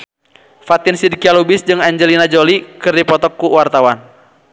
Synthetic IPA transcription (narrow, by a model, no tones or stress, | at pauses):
fat̪ɪnsidikialubɪsd͡ʒɨŋaɲd͡ʒəlinad͡ʒolikɨrdipɔt̪ɔkːuwart̪awan